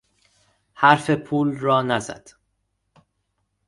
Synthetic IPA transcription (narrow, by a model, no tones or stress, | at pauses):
hæɾfepʰuːlrɒːnæzæ̰d̪̥